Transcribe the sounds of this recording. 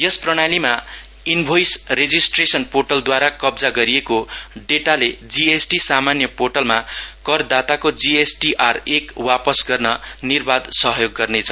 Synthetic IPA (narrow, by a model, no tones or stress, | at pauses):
jʌsprʌɽ̃alima | inbʱojsred͡zisʈresʌnporʈʌld̪waɾakʌbd͡zaɡʌɾijekoɖeʈaled͡ziesʈisamanjʌporʈʌlmakʌrd̪at̪akod͡ziesʈiʔarekwapʌsɡʌrnʌnirbad̪sʌɦjoɡːʌrnet͡sʰʌ